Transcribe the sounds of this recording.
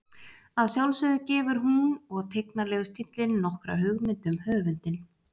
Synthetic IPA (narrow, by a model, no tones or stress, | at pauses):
aðsjawlsʏðʏcɛːvʏɾ̥ɦunɔɣt̪ʰeknalɛːɣʏst̪ʰit̪lɪnːɔhkɾa̰ɦʏɣmɪnt̪ʏmhœːvʏnt̪ɪn